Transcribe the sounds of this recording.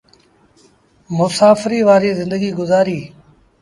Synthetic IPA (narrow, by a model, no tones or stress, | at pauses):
mʊsaːfɪɾiːʋaːɾiːzɪ̃nd̪əɡiːɡʊzaːɾiː